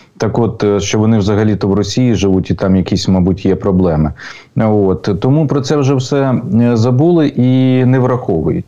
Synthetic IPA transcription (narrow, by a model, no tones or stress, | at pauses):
t̪ɑkot̪ʃt͡ʃɔʋɔnɪwzɐɦɐlʲit̪ɔwrɔsʲijiʒɪʋutʲit̪ɑmjɐkʲisʲmɐbutʲjɛpɾɔblˠɛmɪ | ot̪t̪ɔmupɾɔt̪sɛwʒɛwsɛzɐbulˠɪʔinɛʋɾɐxɔʋʊ̰jʊ̰tʲ